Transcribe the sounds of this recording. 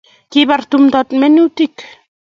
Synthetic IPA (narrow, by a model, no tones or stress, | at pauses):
kiβart̪umd̪at̪menuwt̪ik